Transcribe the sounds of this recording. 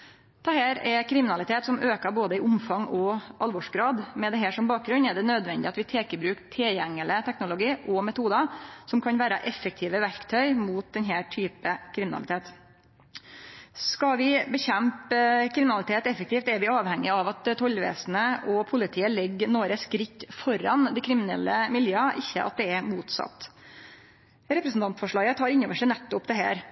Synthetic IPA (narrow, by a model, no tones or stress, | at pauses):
d̪̥ʰɛhæːɾɛkʰɾɪmɪnɑlɪt̪ʰeːt̪sɔmøːkəboːd̪əɪʔʊmfɑŋɔʔɑlʋɔʂɡɾɑːd̪mɛd̪ɛɦæːʂɔmbɑːk̚ɡɾʉnɛɖɛnøːd̪ʋɛnd̪ɪɑt̪ʋɪt̪ʰeːkəbɾʉːkt̪ʰɛjɛŋːələt̪ʰɛknʊlʊɡiːʔɔmɛt̪ʰuːd̪ɑsɔmkʰɑnʋæːɾəʔɛfːək̚t̪ʰiːʋəʋæɾkt̪ʰœʏmuːt̪̚d̪ɛnɦæːʈʰyːpəkʰɾɪmɪnɑ̰lɪt̪ʰeːt̪ | skɑʋɪbəçɛmpəkʰɾɪmɪnɑlɪt̪ʰeːt̪ɛfəkt̪iːft̪ɛɾʋɪɑːʋhɛŋːɪɑʋɑt̪ʰːɔlʋḛːsnəʔɔpʰʊlɪt̪ʰiːəlɛɡːnoːɾəskɾɪkːfɔɾɑnd̪ɪkʰɾɪmɪnɛ̰lːəmɪljøːɑʔɪçːəʔɑ̰t̪̚d̪ɛɛɾmuːt̪sɑ̰t̪ː | ɾɛpɾɛsn̩t̪ɑnt̪fɔʂɭɑːɡət̪hɑːɾɪnɔʋəʂænɛt̪ːʊpd̪ɛɦæ̰ːɾ